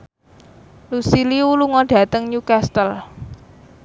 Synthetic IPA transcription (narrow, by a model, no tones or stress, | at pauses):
lusiliuluŋɔɖ̥ä̤t̪əŋɲukast̪əl